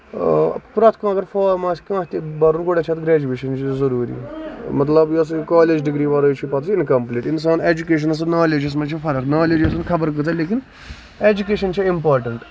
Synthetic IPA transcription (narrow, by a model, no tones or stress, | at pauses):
pɾɐt̪ʰkãːɐɡɐɾfoːɾmaːskãːst̪ibɐɾunɡoɽʲet͡ʃʰɐt̪ɡɾeːd͡ʒuʋeːʃɐnt͡ʃʰizɐɾuːɾḭːmɐt̪lɐbjos̬kaːleːd͡ʒɖiɡɾiːbɐɾɐjt͡ʃʰipɐt̪ʰsinkɐmpliːʈins̬aːneːd͡ʒukeːʃ̬ɐnɐs̬ɐnaːleːd͡ʒɐs̬mɐnt͡ʃʰifɐɾəknaːleːd͡ʒɐs̬ɐnkʰɐbəɾk̬ɨt͡sɐleːk̬in | eːd͡ʒukeːʃɐnt͡ʃʰiimpaːɾʈɐɳʈ